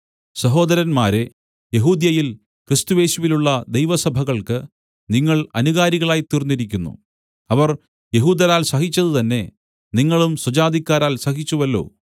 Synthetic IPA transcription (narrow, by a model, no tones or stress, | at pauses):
sɐɦo̞ːd̪ɐɾɐnmaːɾe̞ | je̞ɦuːd̪jɐjil | krist̪uje̞ːɕuʋiluɭːɐd̪ejʋɐsɐbʱɐɣɐɭkɨ | niŋːɐɭɐnuɣaːɾiɣɐɭaːjt̪irnːiɾikʲːunːṵ | ɐʋɐr | je̞ɦuːd̪ɐlaːlsɐɦit͡ɕːɐðɨt̪ɐnːe̞ | niŋːɐɭumsud͡ʑaːd̪ʱikʲːaːɾaːlsɐɦit͡ɕːuʋɐlːo̞̰ː